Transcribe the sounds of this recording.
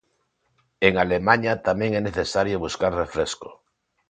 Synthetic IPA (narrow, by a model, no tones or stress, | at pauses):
eŋalemaɲat̪amẽŋɛneθesaɾjoβuskaɾrefɾesko̥